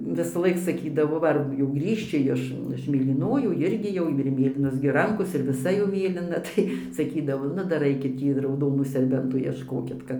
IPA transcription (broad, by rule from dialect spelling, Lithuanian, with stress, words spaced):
ʋʲɪsɐˈlˠɐɪk sɐˈkʲiːdɐʋoː ˈʋɐ ɐr jɛʊ ˈɡrʲiːʃʲt͡ʃʲɪ ˈjɪʃ ɪʃ mʲeːlʲiːˈnoːjuː ˈɪrʲɡʲɪ jɛʊ ɪr ˈmʲeːlʲiːnoːs ɡʲɪ ˈrɐŋkoːs ɪr ʋʲɪˈsɐ jɛʊ ˈmʲeːlʲɪnɐ tɐɪ sɐˈkʲiːdɐʋoː ˈnʊ ˈdɐr ˈɐɪkʲɪt ˈtʲiː rɐʊˈdoːnuː sʲɛrʲˈbʲɛntuː iɛʃˈkoːkʲɪt ˈkɐt